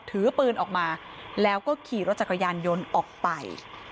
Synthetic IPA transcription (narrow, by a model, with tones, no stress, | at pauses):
t̪ʰɯː˨˦pɯː˧nʔɔː˨˩k̚maː˧ | lɛː˦˥wkɔː˥˩kʰiː˨˩ɾo˦˥t̪̚t͡ɕa˨˩kʰa˧jaː˧njo˧nʔɔː˨˩k̚pa˧j